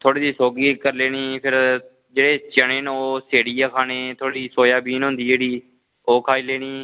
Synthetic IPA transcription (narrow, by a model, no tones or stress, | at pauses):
t̪ʰoːɽiːd̪iːsoːɡiːkəɾleːniːpʰɪɾ | d͡ʒeːɽeːt͡ʃəɳeːnːoːseːɽiːjaːkʰaːneːt̪ʰoːɽiːsoːjaːbiːnɦʊ̃nd̪iːd͡ʒeːɽiː | oːkʰaːiːleːniː